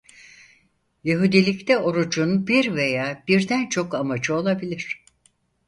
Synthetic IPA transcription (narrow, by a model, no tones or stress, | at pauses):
jeɦud̪ilʲict̪ʰɛo̞ɾud͡ʒunbiɾvejaːb̥iɾd̪ænt͡ʃʰo̞kamad͡ʒɯo̞lˠabilʲiɾ̥